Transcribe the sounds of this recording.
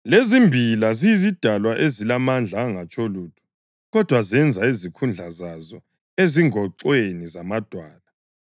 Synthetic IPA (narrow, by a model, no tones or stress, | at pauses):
lezimbʱilazijizid̥ʱalwaʔezilamand͡ɮʱaːŋat͡ʃʼoluːtʰu̥ | ɣɔd̥ʱwazɛnd͡zʱaizikʰund͡ɮʱazazɔ | eziŋɔǃwenizamad̥ʱwaːla